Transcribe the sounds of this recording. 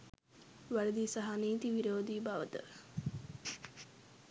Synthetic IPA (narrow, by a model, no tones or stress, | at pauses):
ʋæled̪isaɦaniːt̪iʋiɾoːd̪iːbaʋət̪ə̰